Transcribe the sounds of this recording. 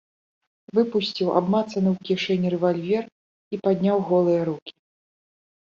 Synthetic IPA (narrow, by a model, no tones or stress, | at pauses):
vɨpusʲt͡sʲiwa̰bmat̪sɐnɨwkʲiʂɛnʲiɾɛvalʲvʲɛr | ipad̪ʲnʲawɣɔlˠɨjɐɾukʲi̥